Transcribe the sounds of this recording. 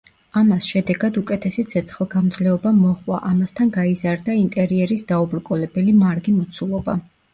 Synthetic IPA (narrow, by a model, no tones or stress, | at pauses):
amasʃɛd̪ɛɡad̪ukʼɛt̪ʰɛsit̪sʰɛt̪sʰχlˠɡamd̪zlɛɔbamɔχʼwa̰ʔamast̪ʰanɡaizaɾd̪aint̪ʼɛɾiɛɾisd̪̥aubɾkʼɔlɛbɛlimaɾɡimɔt̪sʰulˠɔba̰